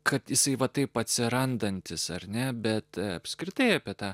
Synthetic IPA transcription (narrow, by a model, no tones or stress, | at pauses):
kʰɐt̪jɪsɐɪʋɐt̪ɐɪpɐt̪ʲsʲɪɾɐnd̪ɐnʲt̪ʲɪsɐrʲnʲɛbʲɛt̪ɐ̰pʲskɾʲɪt̪ɐɪɐpʲiɛt̪ɑː